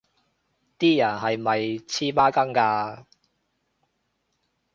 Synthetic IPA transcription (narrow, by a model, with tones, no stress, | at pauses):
t̪iː˥jɐ˨˩nɦɐ˨jmɐ˨jt͡sʰiː˥paː˥kɐ˥ŋkaː˧